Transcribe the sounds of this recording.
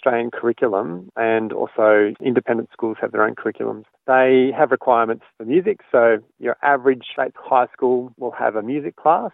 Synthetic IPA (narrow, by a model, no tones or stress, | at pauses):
stɹ̥eɪɨ̃nkʰə˞ɪkʰjl̩ˠə̃mɨ̃nɔ̰lˠsoʊɪ̃ndɨpʰɛ̃ndɨ̃n̩tskulˠz̥ɨvðə˞ə̃ʊ̃nkʰə˞ɪkʰjlˠə̰̃mz̥ðeɪɨvɹɨkʰw̥aɪəmɨ̃ntsfəmjʉzɪksoʊ | jə̰˞ʔævə˞ɨd̥ʒ̥steɪtshaɪskulˠwɪlˠə̰vəmjʉzɨkʰl̥æs